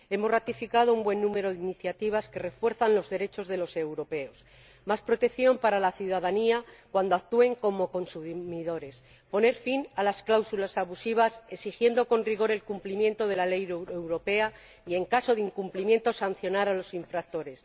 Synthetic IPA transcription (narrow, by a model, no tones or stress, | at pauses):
e̞mo̞zrat̪ifikað̞oumbwe̞nːũme̞ɾo̞ðeiniθjat̪iβ̞aske̞re̞fwe̞ɾθanlo̞zðe̞ɾe̞t͡ʃo̞zðe̞lo̞se̞wɾo̞pe̞o̞s | maspɾo̞t̪e̞kθjo̞mpaɾalaθjuðaðaniakwand̪o̞ak̚t̪ue̞ŋko̞mo̞ko̞nsumiðo̞ɾe̞s | po̞ne̞ɾfinalasklawsulasaβusiβ̞asesixje̞nd̪o̞ko̞nriɣ̞o̞ɾe̞lkumplimje̞nt̪o̞ð̞e̞lale̞jewɾo̞pe̞a | ie̞ŋkaso̞ðeiŋkumplimje̞nt̪o̞san̟θjo̞naɾalo̞siɱfɾak̚t̪o̞ɾe̞s